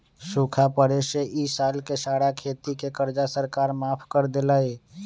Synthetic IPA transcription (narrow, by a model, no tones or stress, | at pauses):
sukʰapəɾeːʃeʔisaːlkesaːɽakʰeːt̪ikekəɾd͡ʒasəɾkaːɾmaːpʰkəɾd̪elaːeː